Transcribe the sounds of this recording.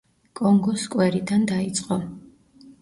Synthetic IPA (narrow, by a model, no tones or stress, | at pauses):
kʼɔŋɡɔskʼwɛɾid̪and̪ait̪sʼqʼɔ